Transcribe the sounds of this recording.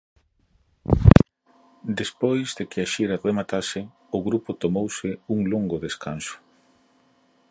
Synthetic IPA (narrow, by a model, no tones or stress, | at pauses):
d̪espojzðekɪaʃiɾaremat̪asɪ | ʊɣɾupʊt̪omowsɪuŋloŋɡʊðeskansʊ̥